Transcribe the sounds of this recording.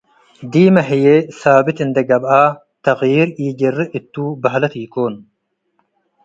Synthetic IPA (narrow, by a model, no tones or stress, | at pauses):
d̪iːmɐɦijesaːbit̪ind̪ɐɡɐbaː | t̪ɐɣjiːɾiːɟerɨʔit̪ːuːbɐɦlɐt̪iːkoːn